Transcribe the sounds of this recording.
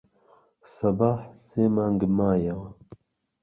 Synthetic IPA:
sɐbaːħsemaŋɡmaːjɐwɐ

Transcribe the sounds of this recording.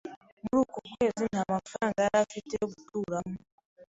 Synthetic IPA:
mulukɔkwezintamafɾaŋɡaɾafitɛkutuɾamu

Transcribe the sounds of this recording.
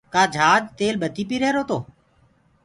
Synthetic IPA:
kaːd͡ʒʱaːd͡ʒt̪eːlɓət̪iːpiːɾɛːɾoːt̪oː

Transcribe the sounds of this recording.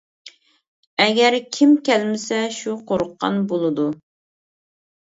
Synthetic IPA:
ɛɡʲɛɾkʲʰimkʲɛlmɪsɛʃuqʰoɾʊqːɑ̰nbolˠɨd̪u

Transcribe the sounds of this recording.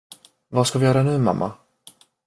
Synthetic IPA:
vaskavɪjœːɾanʉ̟ːma̰mːʔa̰

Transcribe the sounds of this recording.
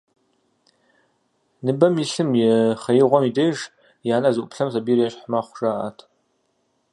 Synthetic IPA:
nɨbɐmjiɬɨmjɛχɐjɪʁʷɔmideʒ | jaːnɐzɨʔʼʊpɬɐmsabiːrjaʃħmaχʷʐ̥aːʔa̰tʰ

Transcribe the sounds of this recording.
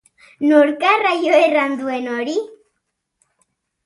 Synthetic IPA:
nuɾkarajoeɾand̪uenɔɾi

